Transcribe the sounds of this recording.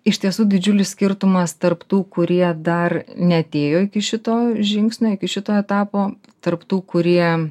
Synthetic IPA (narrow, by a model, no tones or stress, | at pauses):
ɪʃt̪ʲiɛsuːd̪ʲɪd͡ʒʲʊlʲɪssʲkʲɪɾt̪ʊmɐst̪ɐrpt̪uːkʊɾʲiɛd̪ɐrnʲɛɐt̪ʲeːjoːɪkʲɪʃʲɪt̪oːʒʲɪŋksʲnʲoːɪkʲɪʃʲɪt̪oːɛt̪ɑːpoː | t̪ɐrpt̪uːkʊɾʲiɛ